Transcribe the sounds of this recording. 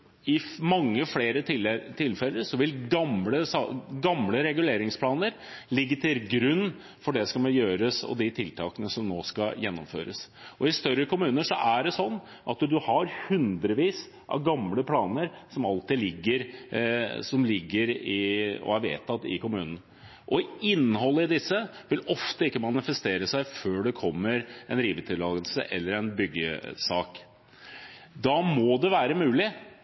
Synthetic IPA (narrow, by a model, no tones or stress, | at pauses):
ɪmɑŋːəfleːɾət̪ɪt̪ʰɪlfɛlːəɾsɔʋɪlɡɑmləsɑɡɑmləɾɛɡʉleːɾɪŋspʰlɑːnəɾ | lɪɡːət̪ʰɪlɡɾʉnː | fɔɖɛskɑmɛnjøːɾəsɔ̰d̪ɪt̪ʰɪlt̪ʰɑːkənəsɔmnoːskɑjɛnːʊmfø̰ːɾə̰s | ɔɪst̪œɾːəkʊmʉːnəʂɔʔæɖɛsɔnː | ʔɑt̪d̪ʉhɑɾhʉnd̪ɾəʋiːs | ʔɑ̰ʋɡɑmləpʰlɑːnəɾsɔmɑlt̪ɪlɪɡːəɾ | sɔmlɪɡːəɾɪɔ̰æʋḛːt̪ʰːɑt̪ːɪ̰kʊmʉːnən̩ | ʔɔɪɪnːəɦɔlːəɪd̪ɪsːəʋɪlɔft̪əɪkːəmɑnɪfəst̪eːɾəsæɪføːɖɛkʰɔmːəɾɛnɾiːʋət̪ʰɪlːɑːɡəlsə̰ʔɛlːəɾɛnbʏɡːə̰sɑːk | d̪ɑmɔd̪ɛʋæːɾəmʉːlɪ